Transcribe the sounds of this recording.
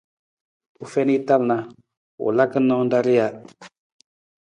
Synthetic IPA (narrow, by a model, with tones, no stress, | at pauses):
u˨fɛ˦ni˦ta˦lna˨ | ṵ˨la˦kə˦nːɔ̃˦n˦da˦ɾi˦ja˨